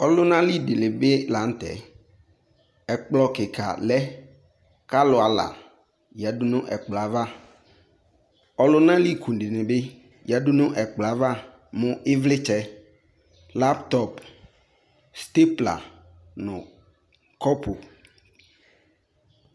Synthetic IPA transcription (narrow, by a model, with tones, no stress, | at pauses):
ɔ˦lʊ˦nã˦li˦dɪ˨lɪ˨be˦la˨˦n̩˦t̪ɛ̰˨ | ɛ˨k͡plɔ˦kɪ˨kʰa̰˨lɛ˦ | ka˦lʊ˨a˨la̰˨ | jɛ˨dʊ˦nʊ̃˦ʔɛ˨k͡pla˨˦va˦ | ɔ˦lʊ˦nã˦li˦kʰu˨dɪ˨nɪ̃˨be˦ | jɛ˨˦dʊ˦nʊ̃˦ʔɛ˨k͡pla˨˦va˦ | mʊ̃˦ɪ˦vlɪ˦t͡ʃɛ˦ | la˦pt̪ɔ˦˨p | st̪e˦pla̰˨ | nʊ̃˨ | kɔ˦pʰo˨